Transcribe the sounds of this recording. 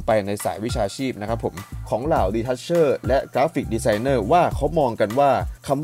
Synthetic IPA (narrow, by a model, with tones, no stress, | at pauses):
pa˧jna˧jsa̰ː˩˦jwi˦˥t͡ɕʰaː˧t͡ɕʰiː˥˩p̚na˦˥kʰa˦˥pʰːo˩˦mkʰɔː˩˦ŋlaː˨˩wdiː˧t̪ʰa˦˥t̪̚t͡ɕʰɤː˥˩lɛ˦˥kɾaː˦˥fi˨˩k̚diː˧saː˧jnɤː˥˩waː˥˩kʰa˦˥wmɔː˧ŋka˧nwaː˥˩kʰa˧m